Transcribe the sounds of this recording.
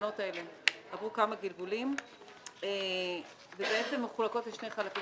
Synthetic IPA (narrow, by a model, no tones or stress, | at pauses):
no̞tae̞le̞havʁukamaɡilɡulim | e | vebeet͡se̞mːeχulako̞tleʃne̞jχalaki